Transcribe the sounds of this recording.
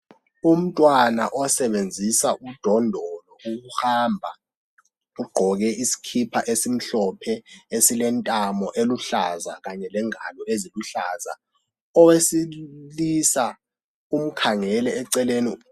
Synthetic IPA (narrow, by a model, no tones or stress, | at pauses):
um̩tʼwana̰ʔɔsɛɓend͡zʱisaʔud̥ʱɔndʱɔlɔuk̬uhaːmbʱa | uɡ͡ǃʱɔk̬ɛʔisi̥kʰipʰaʔesim̩ɬɔpʰɛesilɛntʼamɔʔeluɬaza̰k̬aɲɛlɛŋalɔeziluɬaːza̰ | ɔwesilisa | um̩kʰaŋɛlɛːǀɛlenḭ